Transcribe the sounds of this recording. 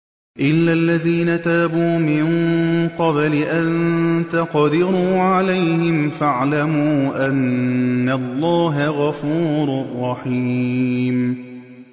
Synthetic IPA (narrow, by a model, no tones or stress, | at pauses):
ʔɪlːalːaðiːnat̪aːbuːmɪŋqɑblɪʔannt̪aqɑd̪ɪɾuːʕalajhɪmfaʕlamuːʔanːalːɑːɦaɣɑfuːɾʊrˤːɑħiːm